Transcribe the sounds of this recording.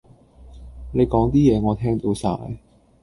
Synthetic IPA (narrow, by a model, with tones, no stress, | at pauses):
ne˨˧jkɔː˨˥ŋt̪iː˥jɛː˨˧ŋɔː˨˧t̪ʰɛː˥ŋt̪o˨˧˥wsa̰ː˧j